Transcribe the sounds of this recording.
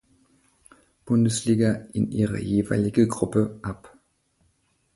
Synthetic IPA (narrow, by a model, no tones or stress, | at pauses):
b̥ʊndəsliːɡɐʔɪnʔḭːʁə̰jeːva̰ɪlɪɡəɡʁʊpəʔap